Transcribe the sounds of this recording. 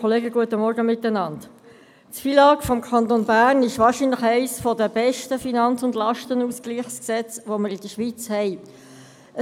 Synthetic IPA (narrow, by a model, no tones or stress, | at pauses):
ɔleːɡəɡuətəmɔɾɡəmɪtːənɑnd | tfiːlɑːkfɔmkʰɑntonbæːrnɪʃʋɑːʃiːnləχæɪsfɔdəb̥ɛʃtəfinɑnt͡sʊndlɑʃtənuːskliːχsksɛt͡sʋoməɾɪd̥əʃʋit͡shɛɪ | ə